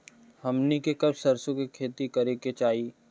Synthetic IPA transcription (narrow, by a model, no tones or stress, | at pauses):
hɐmnikekɐbsɐɾsõkikʰeːt̪ikɐɾeket͡ʃaːiː